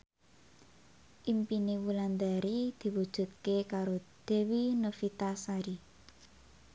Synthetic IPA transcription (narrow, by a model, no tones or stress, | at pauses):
ʔimpinewuland̪aɾid̪̥i̤wud̥ʒ̥ṳt̪̚kekaɾod̪̥e̤winofit̪asaɾi